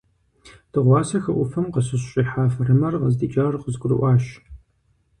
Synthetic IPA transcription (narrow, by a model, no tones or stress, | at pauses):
d̥ɨʁʷɑːsɐxɐʔʷʊfɐmqəsɨɕɕʼiːħaːfrɨmɐrʁəzdiːt͡ʃʼɐrqəzɡʷʼʊrɨ̰ʔʷɑːɕ